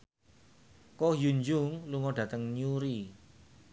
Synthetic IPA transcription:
kɔjuɲd͡ʒʊŋluŋɔɖ̥ä̤t̪əŋɲuɾi

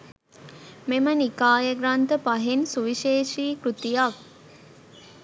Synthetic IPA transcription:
memənikaːjəɡɾant̪əpaɦensuʋiʃeːʃiːkɾut̪ijak̚

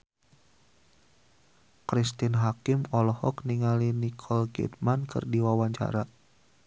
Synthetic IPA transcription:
kɾist̪ɪnɦakɪmɔlɔhɔkniŋalinikʰɔlɡɛ̰t̪̚mankɨ̰rdiwawaɲt͡ʃa̰ɾa

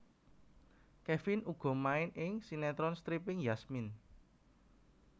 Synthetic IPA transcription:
kɛfinuɡ̥ɔ̤maɪnʔɪŋsinɛt̪ɾɔnst̪ɾipɪŋjasmin

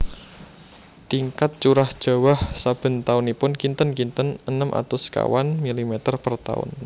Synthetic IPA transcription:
t̪iŋkat̪̚t͡ʃuɾahd̥ʒ̥a̤wahsab̥ə̤nt̪aʊnipʊnkint̪ənkint̪ənənəmʔa̰t̪ʊska̰wanmilimet̪ərpərt̪a̰ʊ̰n

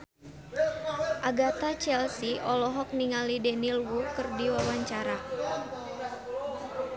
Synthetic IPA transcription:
ʔaɡat̪at͡ʃɛlsiʔɔlɔɦɔk̚niŋalidɛnilwukɨrdiwawaɲt͡ʃaɾa

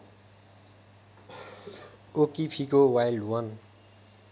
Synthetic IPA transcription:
okipʰikowajlwʌn

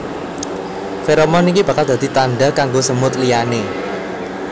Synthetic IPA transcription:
feɾomɔnikibä̤kald̪a̤d̪̥i̤t̪anɖakaŋɡosəmʊt̪liane

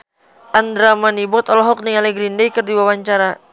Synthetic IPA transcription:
ʔand̪ɾamanibɔt̪ɔlɔɦɔk̚niŋalɛɡɾindɛjkərdiwawaɲt͡ʃaɾa

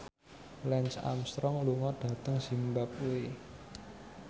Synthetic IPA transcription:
lɛnsa̰mst̪ɾɔŋluŋɔɖ̥ä̤t̪əŋsimbap̚ue

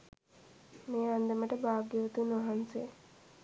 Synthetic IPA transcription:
meːand̪əməʈəbaːɡjəʋət̪unʋaɦanse

